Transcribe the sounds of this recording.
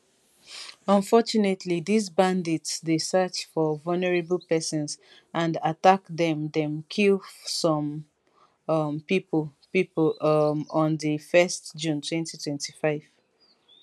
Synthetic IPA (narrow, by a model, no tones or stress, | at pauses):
ə̃nfɔt͡ʃunetʰliðizbãnditsdesɜt͡ʃfɔvɔlnəɹebəlˠpɛsɔ̃ns | ʔãndatakðɛ̃mdɛ̃mkʰilˠsɔ̃m | mpipəlpiplmɔ̃nðəfɛstd͡ʒũntʰwɛ̃ntitʰwɛ̃ntʰifaɪv̥